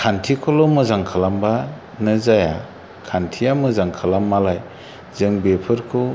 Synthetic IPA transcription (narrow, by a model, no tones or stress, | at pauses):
kʰantʰikʰɔlɔmɯzaŋkʰalamba | nɯzaja̰ | kʰantʰijamɯzaŋkʰalamːalaj | zɯŋbepʰɯɾkʰu